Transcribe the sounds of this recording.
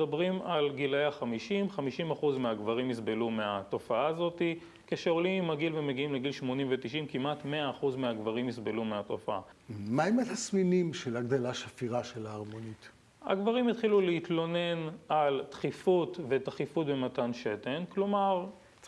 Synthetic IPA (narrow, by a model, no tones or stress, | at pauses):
dabʁimalɡilejaχamiʃimχamiʃimaχuzmeaɡvaʁimːisbelumeat̪o̞faazo̞t̪i | keʃeolimaɡilvemeɡiimleɡilʃmo̞nimvet̪iʃimkimat̪meaːχuzmeaɡvaʁimisbelumeato̞faa̰maemet̪asminimʃelaɡ̚d̪alaʃafiʁaʃelaːʁmo̞nit̪ | a̰ɡvaʁimit̪χiluleit̪lo̞ne̞nalt̪χifutve̞t̪aχifut̚be̞matanʃete̞nklo̞maʁ